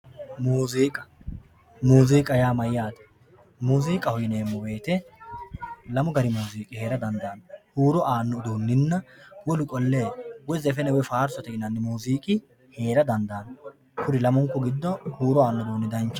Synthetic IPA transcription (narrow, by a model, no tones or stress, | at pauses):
muːziːkʼɐ̥ | muːziːkʼɐjaːmɐjːaːt̪ɐ̥ | muːziːkʼɐhɔjɪne̞ːmːɔbe̞ːt̪ɛ | lɐmɔɡɐɾɪmuːziːkʼɪhe̞ːɾɐd̪ɐnd̪aːnhuːɾɔʔaːnːɔd̪uːnːɪnːɐwɔlʊkʼɔlːeːwɔzɛfɛnɛwɔfaːɾsɔt̪ɛɪnɐnːɪmuːziːkʼɪ | he̞ːɾɐd̪ɐnd̪aːn | kʰʊɾɪlɐmɔŋkːɔɡɪd̪ːɔhuːɾɔaːnːɔd̪uːnːɪd̪ɐnt͡ʃː